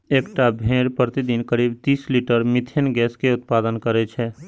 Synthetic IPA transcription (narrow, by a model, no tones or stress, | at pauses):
eːkʈabʱẽːɾpɾət̪id̪iːnkəɾiːbt̪iːsliːʈəɾmɪt̪ʰenɡɛːskeʊt̪̚paːd̪ənkəɾet͡ʃʰɛ